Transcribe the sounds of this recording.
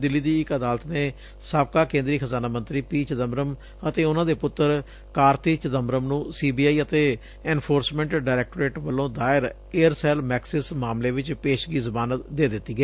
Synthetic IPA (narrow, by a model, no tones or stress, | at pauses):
d̪ɪlːiːd̪iːɪkəd̪aːlət̪neː | saːbkaːkẽːnd̪ɾiːkʰəzaːnaːmə̃nt̪ɾiːpiːt͡ʃəd̪əmɾəm | ət̪eːʊnãːd̪eːpʊt̪ːəɾ | kaːɾt̪iːt͡ʃəd̪əmɾəmnũːsiːbiːaːiːət̪eː | ɛːnpʰoːɾsmɛ̃ːɳʈɖaːɾɛːk̚ʈɾeːʈʋəlːõːd̪aːɪɾ | eːəɾsɛːlmɛːksɪsmaːmleːʋɪt͡ʃpeːʃɡiːzəbaːnəd̪eːd̪ɪt̪ːiːɡɛː